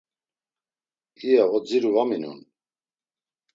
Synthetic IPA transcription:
iɛʁɔd͡ziɾuvaminṵn

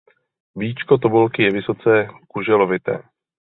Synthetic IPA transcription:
viːt͡ʃkot̪obulkɪjɛvɪso̞t͡sɛkuʒɛlovɪt̪ɛ̰ː

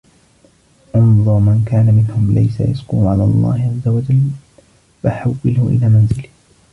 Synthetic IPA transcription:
ʕʊmðˤɑmankaːnamɪnhʊmla̰jsa̰jaskuːʕalaːɑlˤːɑ̰ːhɪʕazːawad͡ʒalː | faħawːɪlhʊʔɪ̰laːmanzɪlɪh

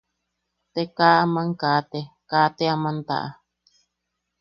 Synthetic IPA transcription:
t̪ekaːamãŋkaːt̪ekaːt̪eamãnt̪a̰ʔa̰

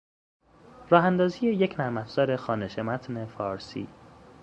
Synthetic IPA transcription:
rɒːɦænd̪ɒːziːje̞je̞cʰnæɾmæfz̥ɒːɾe̞xɒːneʃemæt̪ʰne̞fɒːɾsḭː

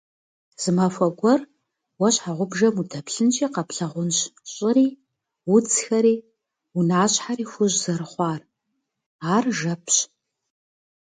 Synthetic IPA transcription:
z̥ɨmɐfʷɐɡʷɔr | wɐɕħaʁʷʊbʒɐmudʰɐpɬɨnt͡ʃʼiːqɐpɬɐʁʷʊnɕɕʼɪɾiː | wʊt͡sʰxɐɾiː | unaːɕʼħaɾiːxʷʊʑzɐɾɨχʷɑːr | aːrʒɐpʰɕ

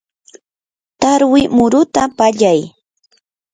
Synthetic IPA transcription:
t̪aɾwɪmʊɾʊt̪apaʎaj

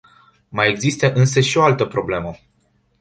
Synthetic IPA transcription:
majeɡzist̪əʔɨnsəʃio̞alt̪əpɾo̞ble̞mə

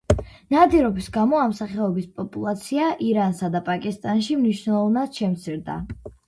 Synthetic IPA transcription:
nad̪iɾɔbisɡamɔamsaχɛɔbispʼɔpʼulˠat̪sʰiaʔiɾansad̪apʼakʼist̪ʼanʃimniʃnɛlˠɔvnad̪̥ʃɛmt̪sʰiɾd̪a̰

